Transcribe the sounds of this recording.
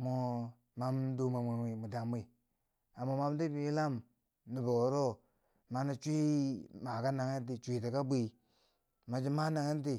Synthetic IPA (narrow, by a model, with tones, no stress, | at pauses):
mo˨ | ma˦mdu˦ma˨me˨i˨mu˨da˨mi˦˨ | a˨mo˨ma˦m˦di˦bi˦la˦m | ni˨bo˨ɾo˦ | ma˨na˨t͡ʃʷi˦ma˨ka˦na˨ŋe˦ti˨t͡ʃʷi˨ti˨ka˦bi˦˨ | ma˨d͡ʒi˦ma˦na˨ŋe˦n˦t̬i˨